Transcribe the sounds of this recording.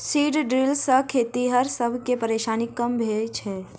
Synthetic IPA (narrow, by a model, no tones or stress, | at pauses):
siːɖɖɾilsəkʰet̪iɦəɾsəbʱkepəɾeːʃaːnikːəmbʱed͡ʒʰɦɛː